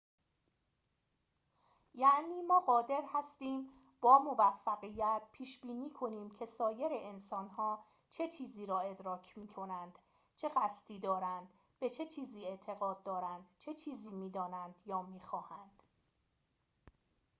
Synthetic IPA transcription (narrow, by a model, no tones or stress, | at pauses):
jæʔniːmɒːɢɒːd̪e̞ɾhæst̪iːm | b̥ɒːmo̞væfːæɣijæt̪̚pʰiːʃb̥iːniːkʰo̞niːmcʰe̞sɒːje̞ɾe̞ʔensɒːnhɒː | t͡ʃʰe̞t͡ʃʰiːziːɾɒːe̞d̪ɾɒːcʰmiːkʰo̞nænd̪̥ | t͡ʃʰe̞ɣæst̪iːd̪ɒːɾænd̪ | b̥e̞t͡ʃʰe̞t͡ʃʰiːziːe̞ʔt̪ʰe̞ɣɒːd̪̚ːɒːɾænd̪̥t͡ʃʰe̞t͡ʃʰiːziːmiːd̪ɒːnænd̪jɒːmiːxɒːhænd̪̥